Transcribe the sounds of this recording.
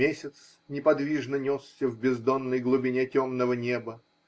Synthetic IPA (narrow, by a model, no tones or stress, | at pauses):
esʲɪt̪s | nʲɪpɐd̪vʲiʐnənʲossʲəvbʲɪzd̪onːəjɡlˠʊbʲɪnʲetʲomnəvənʲe̞bə